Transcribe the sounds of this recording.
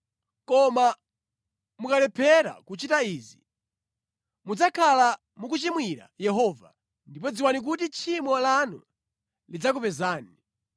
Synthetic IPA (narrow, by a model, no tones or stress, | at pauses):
kɔma | mukalɛpʰɛɾa̰kut͡ʃitaizi | mud͡zakʰala | muk̬ut͡ʃimwiɾa̰jɛɦɔva̰ | ndip̬ɔd͡ziwanik̬utit͡ʃʰimɔlanṵ | lid͡zak̬upɛzaːni